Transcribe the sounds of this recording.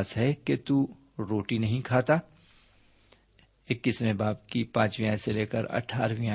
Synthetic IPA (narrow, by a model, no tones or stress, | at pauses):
sɦɛket̪u | ɾoːʈinɐɦĩkʰaːt̪aː | ɪkːismẽbaːbkipãːt͡ʃʋijãːseleːkəɾɐ̰ʈʰaːɾʋiã